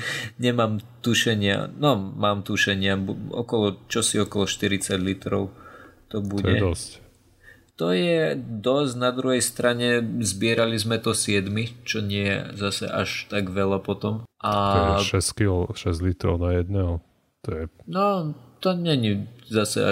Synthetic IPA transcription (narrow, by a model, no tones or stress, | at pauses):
ɲɛmaːmt̪uʃɛɲɪa̰nɔmaːmt̪uʃɛɲɪabɔ̰kɔlɔt͡ʃɔsiɔkɔlɔʃt̪iɾit͡saɟlit̪ɾɔʊt̪ɔbuɔjɛɛd̪ɔsc | t̪ɔjɛd̪ɔzɟnad̪ɾuɦɛjst̪ɾaɲɛzbɪɛɾalizmɛt̪ɔsɪɛd̪mit͡ʃɔɲɪɛjɛ̰zasɛ̰ʔaʃt̪aɡʋɛlapɔt̪ɔmʔaʃɛskilɔʃɛzlit̪ɾɔʊnajɛd̪̚nɛɦɔ | t̪ɔjɛnɔt̪ɔɲɛɲizasɛ̰a̰